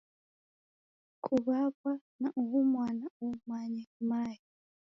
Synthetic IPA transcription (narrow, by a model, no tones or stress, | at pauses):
kʰuβakwanaʔuwumwaːnaumaɲɛmaːji